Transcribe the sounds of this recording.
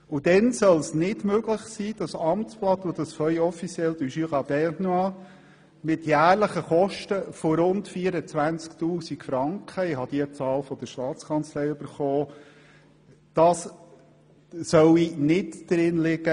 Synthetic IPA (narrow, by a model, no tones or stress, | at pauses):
ud̥̪ɛnsœlsnɪdmøɡləχsiːd̥ɑsɑmtt͡splɑt̪od̥̪ɑsfœʏɔfit͡sjɛld̥̪yʃyʁɑbɛnɑ | mɪtjæːɾləχəχɔʃtəfoɾʊntfiːəɾət͡sʋænt͡sktuːsikfɾɑŋkχəɪɦɑd̥iət͡sɑːlfɔd̪əʃtɑːt͡skʰɑnt͡slɛjʉb̥əɾχoː | d̥ɑs | sœwinɪtd̥ɾɪnlɪɡə